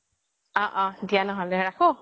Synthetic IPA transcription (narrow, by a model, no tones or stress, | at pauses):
ɔ̃ʔɔ̃dijanɔɦɔlɛɹako